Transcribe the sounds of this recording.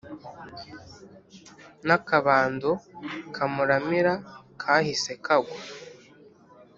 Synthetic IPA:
nakaβaːndokʰamuɾamiɾakʰaːhise̞kʰaɡwo

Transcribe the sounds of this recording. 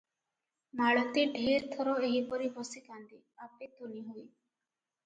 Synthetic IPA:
maɭɔt̪iɖʱeɾt̪ʰɔɾɔeɦipɔɾibɔsikand̪i | apet̪oniɦoj

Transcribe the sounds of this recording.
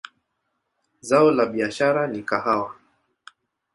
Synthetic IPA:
zaɔlaɓiaʃaɾanikahawa

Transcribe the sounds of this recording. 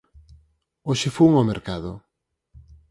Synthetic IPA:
oʃɪfuŋomeɾkaðʊ

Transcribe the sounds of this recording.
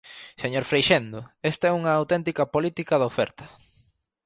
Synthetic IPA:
seɲoɾfɾejʃend̪oest̪aɛuŋɐːwt̪ɛnt̪ikɐpolit̪ikɐðɐofɛ̰ɾt̪ɐ

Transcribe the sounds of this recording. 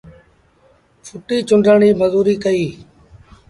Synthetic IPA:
fʰʊʈiːt͡ʃʊɳɖʱəːɳiːməzuːɾiːkəiː

